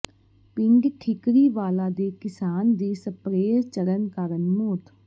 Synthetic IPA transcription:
pɪŋɡʈʰɪkɾiːʋaːlaːd̪eːkɪsaːnd̪iːsəpɾeːɾt͡ʃəɾənkəɾənmoːt̪

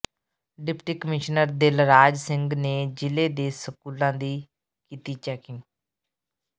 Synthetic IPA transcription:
ɖɪpʈiːkəmɪʃnəɾd̪elɾaːd͡ʒsɪ̃ŋɡneːd͡ʒɪleːd̪eːsəkuːlãːd̪iː | kiːt̪iːt͡ʃɛːkɪ̃ŋɡ

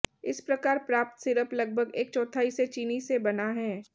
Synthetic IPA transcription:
ɪspɾɐkaːɾpɾaːp̚t̪sɪɾəplɐɡ̚bʱəɡeːk̚t͡ʃɔ̃ːt̪ʰaːiset͡ʃiːnisebɐnaɦɛː

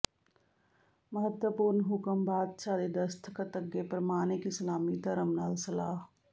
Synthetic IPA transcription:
məɦət̪wəpuːɾnɦʊkəmbaːd̪̚ʃaːd̪ed̪ɐst̪ʰəkɐt̪ɐɡːepɾɐmaːnekisɐlaːmit̪ɐɾəmnaːlsɐlaːɦ

